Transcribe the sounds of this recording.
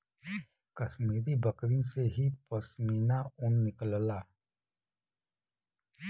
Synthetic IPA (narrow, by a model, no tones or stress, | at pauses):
kəsmiːɾibəkɾĩnseɦipəsmiːnaʊnːɪkəllaː